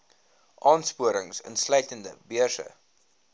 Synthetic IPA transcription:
ʔɑːnspuəɾəŋsə̰nslœɥtəndəbiəsə̰

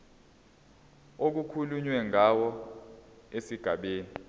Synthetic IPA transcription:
ok̬ukʰuluɲwɛŋawɔ | esiɡ̥ʱaɓeːni

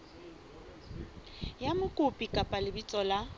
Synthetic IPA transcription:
jamʊkʼʊpʼikʼapʼalɪbit͡sʼɔla

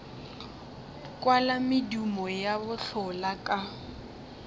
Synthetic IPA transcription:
kʼwalamɪdumɔjabʊɬʊlakʼa

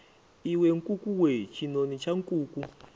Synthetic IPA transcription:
iweŋkʼukʼuwet͡ʃʰinonit͡ʃʰaŋkʼuːkʼu

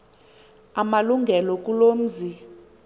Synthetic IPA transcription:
amaluŋɡʱɛlɔk̬ʼulom̩zi

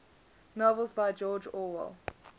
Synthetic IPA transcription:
nɔvəlˠzbaɪd͡ʒɔːd͡ʒɔːwə̰lˠ

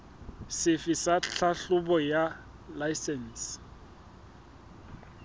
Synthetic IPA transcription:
sɪfɪsaɬʰaɬʊbɔja | lajsɛn̩ːs

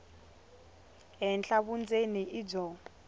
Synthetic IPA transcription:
ɦɛnɬaβund͡zʼeniʔid͡ʒɔː

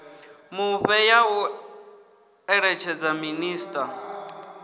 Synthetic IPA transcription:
muɸɛjau | ɛɺɛt͡ʃʰɛd͡zaminiːstʼa

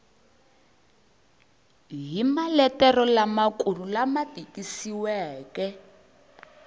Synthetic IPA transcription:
ɦimalɛtɛrɔlamakurulamatikisiwɛːkɛ

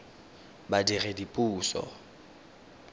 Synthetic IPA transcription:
badiredipʼuːsɔ̰

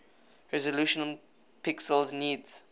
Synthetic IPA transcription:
ɹɛzəluːʃənəl | pʰɪksəlzniːdz̥

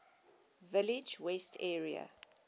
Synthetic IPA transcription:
vɪlɪd͡ʒwɛstʰɛːɹiə̰

